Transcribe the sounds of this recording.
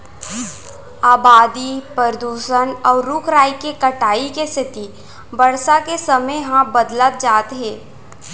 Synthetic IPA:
aːbaːd̪ipəɾd̪uːʃənɔːɾɾʊkʰɾaːikekɐʈaːikest̪ʰɪt̪i | bɐɽsakesəməjɦãbəd̪lət̪̚d͡ʒaːt̪ɦɛ̃ː

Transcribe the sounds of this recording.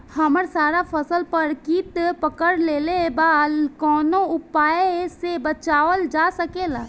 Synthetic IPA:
hɐməɾsaːɾapʰəsəlpəɾkiːt̪pəkəɾleːlebaːlkɔːnoʊpaːesebət͡ʃaːʋəld͡ʒasəkeːlaː

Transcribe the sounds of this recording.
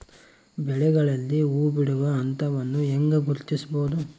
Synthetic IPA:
bɛɭɛɡɐɭɐlːiuːbiɽuʋɐːnt̪ɐʋɐnːuɛŋɡɐɡuɾt̪isboːd̪u

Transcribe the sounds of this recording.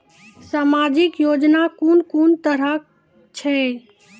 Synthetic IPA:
saːmad͡ʒɪkjod͡ʒnakunkont̪əɾə | t͡ʃʰɛ

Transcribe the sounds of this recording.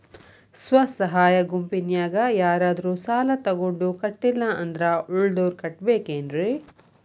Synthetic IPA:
sʋɐsɐɦaːjɐɡumpinjaːɡɐjaːɾaːd̪ɐɾuːsaːlɐt̪ɐɡoɳɖukɐʈːilːɐɐnd̪ɾɐuɭd̪oːɾkɐʈbeːkeːnɾe

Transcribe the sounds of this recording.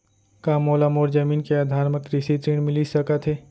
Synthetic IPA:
kaːmoːlamoːɾd͡ʒəmiːnkead̪ʱaːɾməkɾisit̪ɾiːɽ̃mɪlisəkət̪ɦeː

